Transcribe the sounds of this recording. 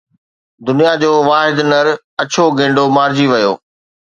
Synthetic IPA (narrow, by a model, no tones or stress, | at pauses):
d̪ʊnijad͡ʑoːʋaːɦɪd̪nəɾ | ɐt͡ɕʰoɡʱẽːɳɖomaːɾd͡ʑiʋɐjo̰ː